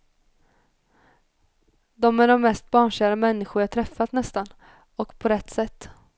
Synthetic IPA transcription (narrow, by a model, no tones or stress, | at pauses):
d̪ɔmæɖɔmːɛst̪̚bɑːɳʂaɾəmɛnːɪɧʊɾjːt̪ʰɾɛfːat̪nɛst̪an | ɔkpʰɔɾɛt̪ːsɛt̪ː